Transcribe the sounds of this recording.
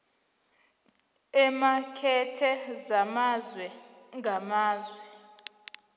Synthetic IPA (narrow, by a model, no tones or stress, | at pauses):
ɛmakʰɛtʰɛzamazwɛ | ŋɡʱamaːzwɛ